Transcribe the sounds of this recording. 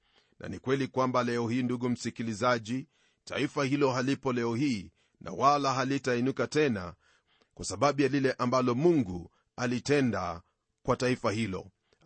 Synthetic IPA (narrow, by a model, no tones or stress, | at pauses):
nʔa̰nikwɛlikwambalɛɔhiːnduɡum̩sikilizaʄi | ta̰ifahilɔɦalipɔlɛɔɦiː | nʔa̰walaɦalitainukatɛna̰ | kwasaɓaɓujalilɛʔambalɔmuŋɡu | alitɛnda̰ | kwataifahilɔ̰